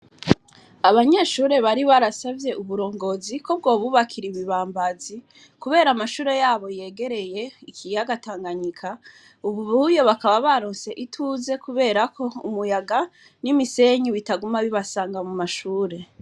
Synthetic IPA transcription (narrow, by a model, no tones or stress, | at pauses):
aβaɲe̞ʃuːɾe̞βaɾiβaɾasavje̞uβuɾo̞ːŋɡo̞ziko̞b̚ɡo̞ːβuβakʰiɾiβiβaːmbazi | kuβe̞ːɾamaʃuːɾe̞jaːβo̞je̞ːɡe̞ɾe̞je̞ikʰijaɡataːŋɡaɲikʰa | uβuβujo̞βakaβaβaɾoːnse̞ʔitʰuze̞kuβe̞ːɾako̞ṵmujaɡa | nimise̞ɲiwitaɡumaβiβasaːŋɡamumaʃuːɾe̞